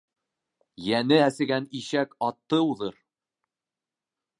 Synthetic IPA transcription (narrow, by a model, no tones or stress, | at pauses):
jænɘæsɘ̆ɡæniʃækɑt̪ːɤuðɤɾ